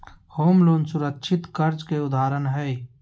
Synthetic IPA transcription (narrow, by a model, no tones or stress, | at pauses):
hoːmloːnsʊɾəkʃʰɪt̪kəɾt͡ʃkeʊd̪ʱaːɾənɦɛː